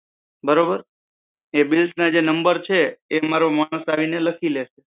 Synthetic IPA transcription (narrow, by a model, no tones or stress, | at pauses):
bəɾobəɾ | ebilsnad͡ʒenəmbəɾt͡ʃʰeːmaɾomaɽ̃əsaʋineləkʰileʃe